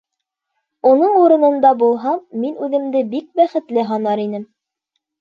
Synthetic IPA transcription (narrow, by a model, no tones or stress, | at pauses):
unɤɴuɾɤ̆nɤ̆nd̪ɑbulˠɦɑminʉðɘ̆md̪ɘbik̚bæχɘ̆t̪lɘɦɑnɑɾinɘm